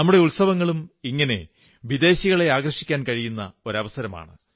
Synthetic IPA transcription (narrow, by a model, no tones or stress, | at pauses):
ɐmːuɽe̞uɭsɐʋɐŋːɐɭumiŋːɐne̞ | ʋid̪e̞ːɕiɣɐɭe̞aːɡrɐʂi̥kʲːaːnkɐɻijunːɐo̞ɾɐʋɐsɐɾɐma̰ːɳɨ